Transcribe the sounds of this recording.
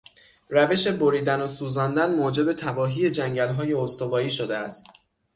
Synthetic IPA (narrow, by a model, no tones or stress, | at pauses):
ræve̞ʃe̞boɾiːd̪ænosuːzæːnd̪ænmoːd͡ʒe̞be̞t̪ʰæbɒːɦiːje̞d͡ʒæŋɟælɦɒːje̞ost̪o̞bɒːiːʃo̞d̪eæst̪